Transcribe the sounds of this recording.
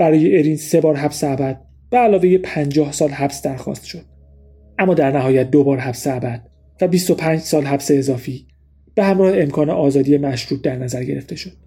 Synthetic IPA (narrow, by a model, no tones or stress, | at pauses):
b̥æɾɒːjeeɾiːnse̞bɒːɾɦæbseæbæd̪̥̚ | b̥eælɒːve̞jepʰænd͡ʒɒːhsɒːlɦæbsd̪æɾxɒ̰ːst̪ʃo̞d̪̥ | ʔæmːɒːd̪æɾnæɦɒːjæt̪̚d̪obɒːɾɦæbseæbæd̪̥̚ | væbist̪o̞pʰæːnd͡ʒsɒːlɦæbse̞ːzɒːfiː | b̥ehæmɾɒːheemkʰɒːne̞ʔɒːzɒːd̪ijemæʃɾuːt̪̚d̪æɾnæzæɾɟe̞ɾe̞ft̪e̞ʃo̞d̪̥̚